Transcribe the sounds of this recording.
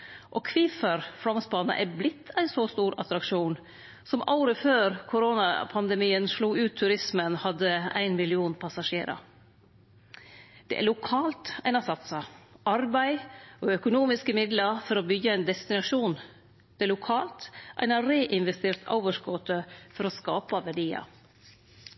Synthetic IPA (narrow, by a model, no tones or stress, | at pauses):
ʔɔkʰʋɪːfəɾfɾɔmsbɑnə̰ʔæblɪt̪ʰːæɪnsɔst̪uːɾɑ̰t̪ɾɑkʂuːn | sɔmʔɑʊɾəføːɾkʰʊɾoːnɑ̰pʰɑnd̪ɛmiːənʂɭuːʉːt̪ʰːʉɾɪsmənhɑd̪ːəæ̰ɪnmɪlɪuːnpʰɑsɑʂeːɾɑ̰ | d̪̥ɛ̰ʔæ̰ɭʊkʰɑːlt̪æɪnɑsɑt̪sɑʔɑɾbæɪoːœkʊnuːmɪskəmɪd̪lɑɾfɔɾɔbʏɡːəæɪnd̪ɛst̪ɪnɑʂuːn | d̪̥ɛæɭʊkʰɑːlt̪ʔæ̰ɪnɑɾeːʔɪnʋɛst̪eːɾt̪ʰɑ̰ʊʋəʂkɔt̪əfɔɾɔskɑːpɑʋæɖiːɑ̰